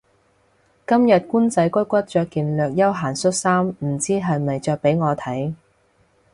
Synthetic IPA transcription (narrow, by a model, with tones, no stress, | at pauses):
kɐ˥mjɐ˨t̚kuː˥nt͡sɐ˨˥jkʷɵ˥kʷɐ˥t̚t͡ʃœː˧kːiː˨nlœː˨k̚jɐ˥wɦaː˨˩nsɵ˥t̚saː˥mm̩˨˩t͡siː˥ɦɐ˨jmɐ˨jt͡ʃœː˧k̚pe˨˥jŋɔː˨˧t̪ʰɐ˨˥j